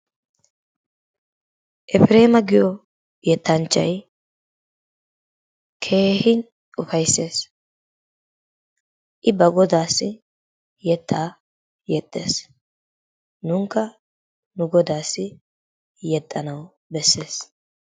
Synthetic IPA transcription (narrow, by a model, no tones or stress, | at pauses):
ʔɛfɪɾe̞ːmɐɡɪjɔ | jɛt̪ːɐnt͡ʃːɐ̰j | kʰe̞ːhɪn | ʊfɐjsːe̞ːs | ʔɪbɐɡɔd̪aːsːɪ | jɛt̪ʰːaː | jɛt̪ʼːe̞ːs | nʊŋkːɐ | nʊɡɔd̪aːsːɪ | jɛt̪ʼːɐnɐw | bɛsːe̞ːs